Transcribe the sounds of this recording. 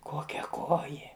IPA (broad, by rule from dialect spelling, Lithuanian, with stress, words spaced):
ˈkoːkʲɛ ˈkoːjeː